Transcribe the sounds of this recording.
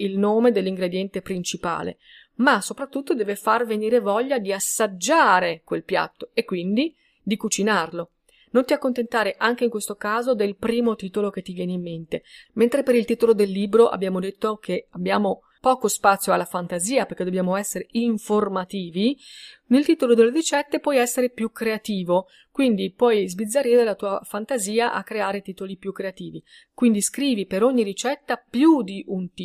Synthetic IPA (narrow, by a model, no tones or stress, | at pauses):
ilnoːmed̪elːiŋɡɾed̪jɛnt̪epɾint͡ʃipa̰ːlḛ | masːopɾat̪ːut̪ːod̪ɛːvefarveniːɾevɔʎːad̪iasːad͡ʒːaːɾekwelpja̰t̪ːoekːwind̪i | d̪ikut͡ʃinarlo | nont̪iakːont̪ent̪aːɾeʔaŋk̟eiŋkwest̪okaːzod̪elpɾiːmot̪iːt̪olok̟et̪ːivjɛːneimːent̪ement̪ɾepeɾilt̪iːt̪olod̪elːiːbɾoʔa̰bːjaːmod̪et̪ːokʰeabːjaːmo | pɔːkospat̪sːjoalːafant̪aziːaperked̪objaːmoɛsːeɾeiɱformat̪iːvinelt̪iːt̪olod̪elːeɾit͡ʃɛt̪ːepwɔjɛsːeɾepjukːɾeat̪iːvo | kwind̪ipwɔjzbid̪zːaɾiːɾelat̪uːafant̪aziːaʔa̰kːɾeaːɾet̪iːt̪olipjukːɾeat̪iːvi | kwind̪iskɾiːvipeɾoɲːiɾit͡ʃɛt̪ːapjud̪iʔunt̪i